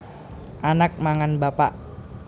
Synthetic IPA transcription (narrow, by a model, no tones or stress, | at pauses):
ʔanak̚maŋanbapaʔ